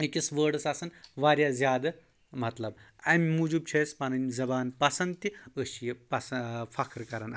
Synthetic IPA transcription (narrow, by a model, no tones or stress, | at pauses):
ikʲisʋəːɾɖɐsɐsɐnʋaːɾjaːzʲjaːd̪ɐ | mɐt̪lɐbɐmʲmud͡ʒub̚t͡ʃʰeːspɐnɐnʲzɐbaːnpɐsɐnd̪t̪iəʃijepɐsɐfɐkʰɾkɐɾɐnɐ